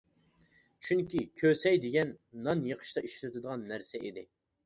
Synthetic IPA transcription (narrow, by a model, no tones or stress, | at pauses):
t͡ʃʰyŋkʲikʲʰøsɛjd̪ɪɡʲɛnːɑnjəqʰə̥ʃt̪ʰɑʔiʃlyt̪ʰɨd̪əʁɑnːæɾsɛid̪ɪ